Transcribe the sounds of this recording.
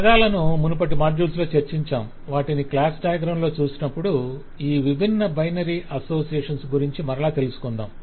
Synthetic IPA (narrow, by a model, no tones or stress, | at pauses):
ɐd̪aːlɐnumunupɐʈimaːd͡ʒuːlslo̞ːt͡ʃɐɾt͡ʃiɲt͡ʃaːm | ʋaːʈiniklaːsʈaːjɐɡɾɐwɳlo̞ːt͡ʃuːsinɐpːuɽu | iːʋibʱinːɐbɐjnɐɾiːʔɐso̞ːsijɛːʂɐnsɡuɾiɲt͡ʃimɐɾɐɭaːt̪e̞lusu̥kɔnd̪a̰ːm